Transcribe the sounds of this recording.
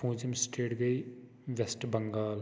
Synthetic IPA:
pũːd͡ʒɪmsʈʰeːʈɡəiː | ʋɛsʈbəŋɡaːl

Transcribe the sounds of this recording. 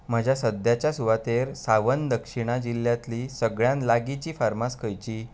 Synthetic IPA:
m̤əd͡ʑʱjasəd̪jat͡ɕjasuʋat̪eɾsaʋənd̪əkʂiɽ̃ad͡ʑiljat̪liːsəɡɭjãnlaɡit͡ɕiːfaɾmaskʰəjt͡ɕiː

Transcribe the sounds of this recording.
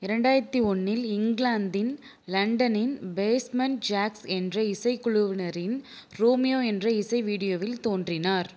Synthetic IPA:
ɪɾɐɳɖaːjɾɐt̪ːiɔnːɪlɪŋɡlaːnd̪ɪn | lɐɳɖɐnɪnbeːsmɐnd͡ʒaːksɛndrɐɪsɐɪkːʊɻʊʋɪnɐɾɪn | ɾoːmɪjoːɛndrɐɪsɐɪʋiːɽɪjoːʋɪlt̪oːndrɪnaːɾ

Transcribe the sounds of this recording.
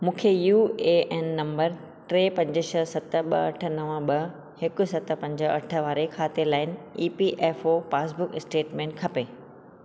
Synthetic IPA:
mũːkʰejuːeːʔɛnːɐ̃mbəɾ | ʈɾeːpɐ̃ɲd͡ʑəʃəsɐt̪ə̆ɓɐ̰ɐ̰ʈʰə̆nɐʋə̃ɓɐ | hɪkʊ̆sɐt̪̆pɐ̃ɲd͡ʑə̆ɐ̰ʈʰəʋaːɾekʰaːt̪elaːɪnɪiːpiʔɛːfoːpaːs̬bʊkɪsʈeːʈmẽːɳʈkʰɐpeː

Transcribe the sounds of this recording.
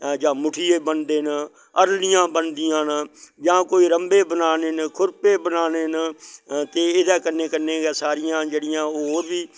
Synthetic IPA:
d͡ʒãːmʊʈʰɪjeːbənd̪eːn | əɾlɪjãːbənd̪ɪjãːnd͡ʒãːkoːiːɾəmbeːbənaːneːnkʰʊɾpeːbənaːneːn | t̪eːɪd̪ɛːkənːeːkənːeːɡɛːsaːɾɪjãːd͡ʒeːɽɪjãːoɾbiː

